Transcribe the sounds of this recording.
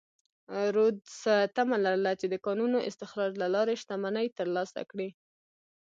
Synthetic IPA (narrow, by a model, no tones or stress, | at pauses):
ɾod̪sat̪amalaɾəlat͡ʃed̪əkɑnunoʔɪ̰st̪ɪxɾɑɾlalɑɾeʃt̪amanəjt̪əɾlɑsa̰kɽi